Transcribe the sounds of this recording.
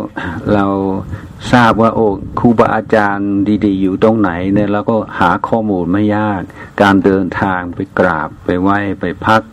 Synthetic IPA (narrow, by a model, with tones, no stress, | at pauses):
la˧w | saː˥˩p̚waː˧˩ʔoː˧˩kʰuː˧˩bɔ˧ʔaː˧t͡ɕaː˧ndiː˧diː˧juː˨˩t̪o˧ŋna˨˩˦jnɛː˧˩ɾa˧˩wkɔː˥˩haː˩˦kʰɔː˧˥˩muː˧nma˥˩jːaː˥˩k̚ːaː˧ndɤː˧nt̪ʰaː˧ŋpa˨jkɾa̰ː˨˩pːa˨˩jwa˧˥˩jpa˨jpʰa˦˥k̚